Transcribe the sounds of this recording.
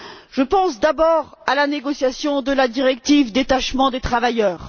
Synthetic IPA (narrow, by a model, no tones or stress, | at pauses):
ʒ̥əpɑ̃sd̪abɔʁalaneɡɔsjasjɔ̃d̪əlad̪iʁɛk̚t̪ivd̪et̪aʃmɑ̃d̪et̪χavajœːʁ